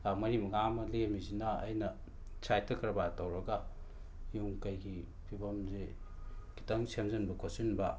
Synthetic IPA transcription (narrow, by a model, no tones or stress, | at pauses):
mɐɾimɐŋamɐlemizinɐ̰ːjnɐ | t͡ʃʰajtɐkʰɾɐbatɐwɾɐɡɐ | juŋkɐjɡi | pʰibɐmze | ki̥tɐŋsemzɐnbɐkʰosinbɐ